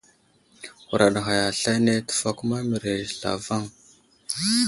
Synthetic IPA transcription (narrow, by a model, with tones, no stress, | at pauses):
xu˨ɾa˨ɗɣa˨ja˨ɬa˦jne˦tə̥˨fa˦ku˦ma˦mi˨ɾe˨ɬa̰˨va˦˨ŋ